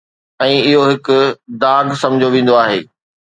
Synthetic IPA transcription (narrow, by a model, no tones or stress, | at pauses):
ɛ̃ːɪɦoɦɪkʊd̪aːɡsɐ̃md͡ʑʱoʋĩːn̆d̪oaːɦeː